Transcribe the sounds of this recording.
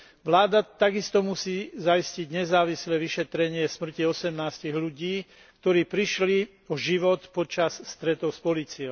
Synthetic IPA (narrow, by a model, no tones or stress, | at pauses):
ʋlaːd̪at̪aɡist̪ɔmusiːzajisciɟɲɛzaːʋislɛʋiʃɛt̪ɾɛɲɪɛsmr̩ciɔsɛmnaːsciɣluɟiː | kt̪ɔɾiːpɾiʃli | ɔʒiʋɔt̪pɔt͡ʃasːt̪ɾɛt̪ɔʊspɔliːt͡siɔʊ